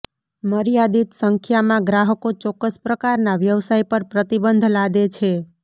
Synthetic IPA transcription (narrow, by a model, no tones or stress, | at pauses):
məɾijad̪it̪səŋkʰjamãɡɾaɦəkot͡ʃɔkːəspɾəkaɾnaʋjəʋsaipəɾpɾət̪ibənd̪ʱlad̪et͡ʃʰe